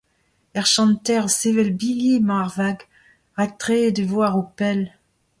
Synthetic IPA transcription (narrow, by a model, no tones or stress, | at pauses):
ɛʁʃɑ̃nt̪ɛʁsevɛlbijemɑ̃aʁvaɡ | ʁaɡ̚t̪ʁed̪əvwaʁopɛl